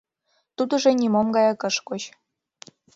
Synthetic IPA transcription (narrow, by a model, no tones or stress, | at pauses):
t̪ud̪ɤ̆ʒĕnʲimomɡɑjɑkɤ̆ʃkot͡ɕ